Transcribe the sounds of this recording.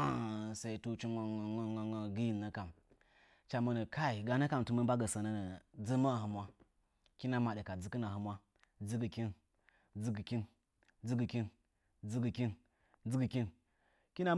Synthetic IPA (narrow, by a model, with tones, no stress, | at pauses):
sa˨i˨tu˦t͡ʃi˦a˨ŋa˨ŋa˦ŋa˨ŋa˦ɡi˦ji˦˨lna˦ka˨m | t͡ʃa˨mə˦nə˨ka˦i˨ɡa˨na˦ka˨mtu˨mə˦ba˦ɡə˨sa˨na˦nə˨d͡zə˦ma˦˨hə˨mʷwa˦ | ki˦na˦ma˨ɗə˨ka˨d͡zɨ˦kɨ˦na˨hə˨mwa˦ | d͡zi˦ɡə˨kʲi˦n | d͡zi˦ɡɨ˨kʲi˦n | d͡zi˦ɡɨ˨kʲi˦n | d͡zi˦ɡə˨kʲi˦n | d͡zɨ˦ɡɨ˨kʲi˦n | kʲi˦na˦